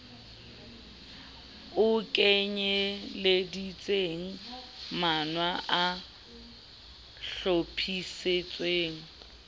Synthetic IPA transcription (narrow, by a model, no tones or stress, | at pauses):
ʊkʼeɲɛledit͡sʼeːŋ̩manwaʔa | ɬopʰiset͡sʼweːŋ̩